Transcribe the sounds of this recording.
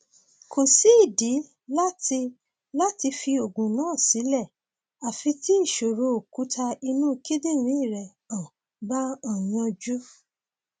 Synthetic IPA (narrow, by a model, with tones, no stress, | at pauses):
ko˨si˨˦i˦˨di˨˦ | la˦ti˧ | la˦ti˧fi˧o˨ɡũ˨nãː˨˦˨si˨˦lɛ˦˨ | a˨fĩ˧ti˦i˦˨ʃo˨ɾo˨˦o˨ku˨˦tʰa˧i˧nũ˦˨ki˦de˦˨ɾ̃ĩ˨˦i˦˨ɾɛ˨ | ã˨ | ba˦ã˨jɔ̃˧d͡ʒu˦